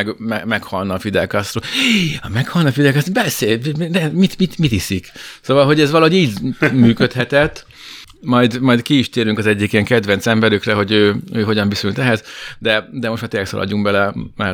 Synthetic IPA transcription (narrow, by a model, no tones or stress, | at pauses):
ɡmɛmɛkhɒlnɒːfid̪ɛkɒst̪roːmɛkhɒlnɒːfid̪ɛkɑst̪bɛseːlnɛmit̪mit̪mit̪hisiksoːvɒlɦo̞ɟɛzʋɒloɦoɟiːɟmyːkøt̪hɛt̪ɛt̪ː | mɒjd̪mɒjd̪kiiʃt̪eːɾyŋkɒzɛɟːikijɛŋkɛd̪vɛnt̪sɛmbɛɾykrɛɦo̞ɟøːøːɦo̞ɟɒɱbisylt̪ɛɦɛzd̪ɛd̪ɛmo̞ʃt̪maːt̪eːlɛksɒ̰lʔɒ̰ɟuŋɡbɛlɛmaː